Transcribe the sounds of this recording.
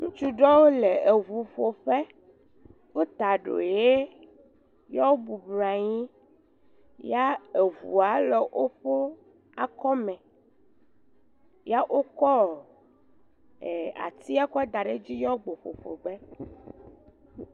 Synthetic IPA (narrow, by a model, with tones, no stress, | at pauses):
ŋũ˦t͡ʃu˦ɖɔ˦wo˦le˨e˨vu˨ɸo˨ɸe˦ | wo˦t̪a˨ɖo̰˨je˦ | jɔ˦wo˦bu˨bla˨ɲĩ˦ | ja˦e˨vṵ˨a˨lɔ˦ʔo˦ɸo˦ | a˨kɔ˦mɛ̃˨ | ja˦ʔo˦kɔ˦˨ | e˨a̰˨t̪i˦a˦kɔ˦ɛ˦d̪a˨ɖe˦d͡ʑi˦jɔ˦ɡ͡bo˨ɸo̰˨ɸo̰˨bɛ˦